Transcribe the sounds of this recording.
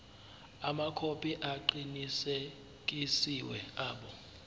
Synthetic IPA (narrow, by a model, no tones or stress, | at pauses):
amakʰopʰʼiʔaǃinise | k̬ʼisiwɛ̰aːɓɔ